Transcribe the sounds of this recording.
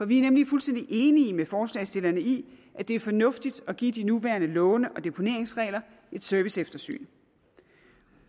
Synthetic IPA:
fɒ̽ʋiæɐnemlifulsd̥en̰d̥iʔe̝ːnimefɒːslɛ̰ːsd̥e̝lɐnəi | ʔæd̥e̝æɐfɒ̽nɔ̽fd̥id̥ɒ̽ɡ̥ḭːd̥inuʋæɐnəlɔ̽ʊnəʔɒ̽d̥e̝pʰo̝ne̝ɐ̰e̝ŋsʁɛ̰ːlɐ | ʔe̝d̥sœɐʋisefd̥ɐsy̰ːn

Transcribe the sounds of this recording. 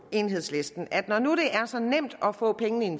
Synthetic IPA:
e̝ːnɦe̝ð̰ˠsle̝sd̥n̩ʔæd̥nɒnuɾ̥e̝ʔæɐsɒ̽nem̰d̥ɒ̽fɔ̰ːpʰeŋən̩əin̩

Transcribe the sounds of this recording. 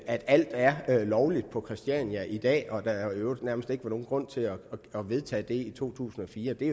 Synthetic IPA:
æd̥æl̰d̥æɐlɒʊlid̥̚pʰɒ̽kʰʁɛsd̥iænjæʔid̥ɛ̰ːɒ̽d̥æonæɐməsd̥e̝ɡ̥əʋɑno̝ːn̩ɡʁɔ̽n̰t͡sʰe̝æɒʋe̝ð̞ˠt͡sʰɛ̰ːd̥e̝it͡sʰo̝̰ːt͡sʰṵːsn̩ɒ̽fiːɐd̥e̝

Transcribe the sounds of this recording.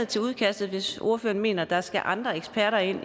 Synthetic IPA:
ð̩ˠt͡sʰe̝luð̞ˠkʰæsd̥ð̩ˠʋe̝so̝ɐfø̰ːɐnme̝̰ːnɐd̥ɑ̈sɡ̥æʔɑ̈nd̥ʁɐeɡ̥sb̥ʰæɐɾɐe̝n̰

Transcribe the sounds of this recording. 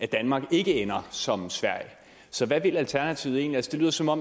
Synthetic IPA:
æd̥ænmɑ̈ːɡ̥e̝ɡ̥əenɐsɒ̽msʋæɐ̰jə | sɒ̽ʋæʋe̝lælt͡sʰæɐnæt͡sʰiʊð̩e̝̰ːnliælsəd̥e̝lyːð̰ˠɐsɒ̽mɒ̽m

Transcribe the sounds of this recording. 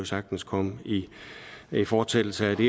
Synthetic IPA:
o̝sɑ̈ɡ̥̚d̥n̩skʰɒ̽mi | ifɒ̥ːt͡sʰel̰l̩səæd̥e̝

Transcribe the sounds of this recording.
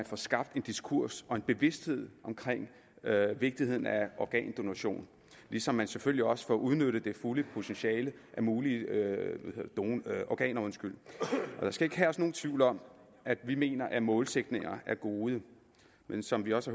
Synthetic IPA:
ænfɒsɡ̥ɑ̈b̥d̥e̝nd̥iskʰuɐ̰sɒ̽e̝nb̥e̝ʋe̝sd̥he̝ð̞̰ˠʔɒ̽mkʰʁeŋ̰ | ʋe̝ɡ̥̚d̥ihe̝ð̰ˠn̩æʔɒɡ̥ɛ̰ːnd̥o̝næɕo̝̰ːn | lisɒ̽mːænseføl̰jiɒ̽sə̥fɒʔuðˠnøɾ̥ðəd̥e̝fuləpʰo̝t͡sʰenɕɛːlə | ʔæmuːli | hḛɐd̥onʔɒɡɛ̰ːnɐonsɡ̥yl̰ʔɒ̽d̥ɑ̈sɡ̥æe̝ɡ̥ɦæɒsno̝ːnt͡sʰʋiʊ̰lɒ̽m̰ | æd̥ʋime̝̰ːnɐʔæmɔ̽ːlseɡ̥ne̝ŋɐʔæɐɡ̥o̝ːð̞ˠə | mensɒ̽mʋiɒ̽sæ

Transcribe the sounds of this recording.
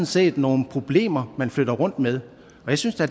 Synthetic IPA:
n̩se̝̰ːd̥no̝ːn̩pʰʁo̝b̥le̝̰ːmɐmænfløɾ̥ɐʁɔ̽n̰d̥með̞ˠ | ɒ̽jäɪsynsd̥eæ̥

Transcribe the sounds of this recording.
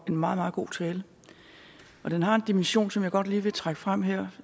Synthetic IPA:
e̝nmɑ̈ːð̞̩ˠmɑðˠɡ̥o̝̰ːt͡sʰɛːlə | ʔɒ̽d̥enɦɑ̈e̝nd̥imənɕo̝̰ːnsɒ̽mjɑ̈ɪɡ̥ɒ̽d̥liːʋe̝t͡sʰʁaɡ̥əfʁam̰ɦeɐ̰

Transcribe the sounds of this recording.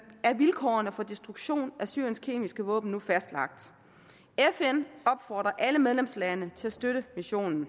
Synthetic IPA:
ʔæɐʋilkʰɒ̰ːɐnəfɒ̽d̥esd̥ʁuɡ̥ɕo̝̰ːnʔæsy̰ɐ̰jənskʰe̝̰ːmisɡ̥əʋɔ̰ːb̥n̩ːufæsd̥lɑ̈ɡ̥̚d̥ | efenɒ̽b̥fɒ̰ːd̥ʁɐʔæləmeðˠlemslænət͡sʰe̝æsd̥øɾ̥əmiɕo̝̰ːnn̩

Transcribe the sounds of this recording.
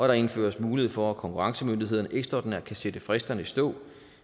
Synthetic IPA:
ʔɒ̽ɾ̥ɑ̈e̝nfø̰ːɐsmuːlihe̝ð̩̰ˠfɒ̽ækʰɒ̽ŋkʰuʁɑ̈ŋsəmønd̥iɦe̝ð̰ˠɐnəʔeɡ̥sd̥ɒ̰ːd̥n̩æɐkʰæsed̥əfʁɛsd̥ɐnəisd̥ɔ̰̽ː

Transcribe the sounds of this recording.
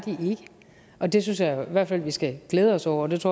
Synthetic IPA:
d̥iʔe̝ɡ̥ə | ɒ̽d̥e̝synsjɑ̈ɪiʋæɐ̰d̥fæl̰ʋisɡ̥æɡ̥leːð̞ˠəɒ̽sɒʊ̰ɐɒd̥e̝t͡sʰɔ̰

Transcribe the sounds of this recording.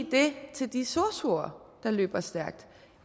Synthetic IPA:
d̥e̝t͡sʰe̝ld̥isoɐsuɐd̥ɑ̈lø̰ːb̥ɐsd̥æɐɡ̥̚d̥

